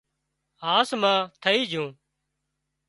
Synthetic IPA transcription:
ɦaːsmãːt̪ʰəiːd͡ʒʱũː

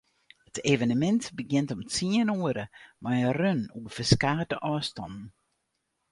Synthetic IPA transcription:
hətʰeːvənəmɛntbəɡɪntɔmt͡siənuəɾəmajərønuəfəskaːdəʔɔːstɔ̰ndn̩

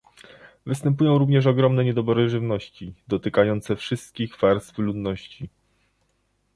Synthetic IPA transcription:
vɘst̪ɛmpujɔ̃w̃ɾuvɲɛʂ̬ɔɡɾɔmnɛɲɛd̪ɔbɔɾɘʐɘvnɔɕt͡ɕid̪ɔt̪ɘkajɔnt̪sɛfʂɘst̪̚kʲixvaɾst̪flud̪nɔɕt͡ɕi

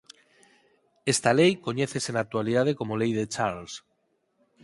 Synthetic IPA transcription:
est̪alejko̞ɲeθesenak̚t̪waliðað̞ekomolejðet͡ʃaɾls

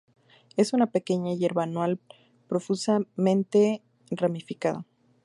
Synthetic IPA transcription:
e̞sunape̞ke̞ɲaʝe̞ɾβaanwal | pɾo̞fusamẽnt̪e̞ | ramifikaða

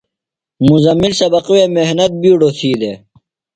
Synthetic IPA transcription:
muzɐmːilsɐbɐqweːmehnɐt̪̚biːɖoːsʰiːd̪e

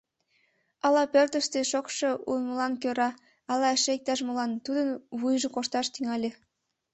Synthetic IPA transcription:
ɑlɑpørt̪ə̆ʃt̪eʃokʃɤ̆unməlɑnkøɾɑ | ɑlɑeʃeek̚t̪ɑʃmolɑnt̪ud̪ənβujʒɤ̆koʃt̪ɑʃt̪yŋɑlʲe

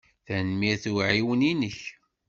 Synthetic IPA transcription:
θænmiθuʕiwəninəç

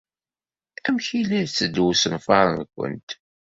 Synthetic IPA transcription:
æmçilæðt͡sːəd̪wusənfɑɾˤənkʷə̰nt̪

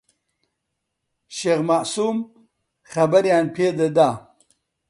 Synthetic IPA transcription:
ʃeɣmaʔsuːm | xɐbaɾjaːnpʰeːd̪ed̪aː

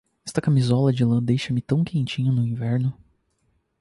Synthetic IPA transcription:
ɛst̪ɐkamizɔlɐd͡ʒɪlɐ̃d̪ejʃɐmɪt̪ɐ̃w̃kʰẽt͡ʃĩɲɐnʊĩvɛɾnʊ

